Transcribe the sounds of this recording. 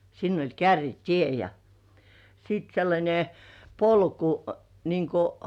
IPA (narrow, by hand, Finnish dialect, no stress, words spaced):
sinː olʲ kærːitie jɑ siˑt selːɑnʲe polku niːŋ ku